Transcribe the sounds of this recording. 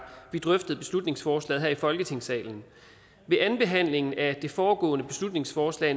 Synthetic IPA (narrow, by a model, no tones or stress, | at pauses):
ʋid̥ʁœfd̥ð̩ˠb̥e̝slud̥ne̝ŋsfɒːslɛ̰ːðˠɦæɐ̰ifɒ̽lɡ̥ət͡sʰe̝ŋsɛ̰ːln̩ | ʋe̝ʔænb̥e̝ɦæn̰le̝ŋn̩æd̥e̝fɒːɡ̥ɔ̰̽ːnəb̥e̝slud̥ne̝ŋsfɒːslɛ̰ː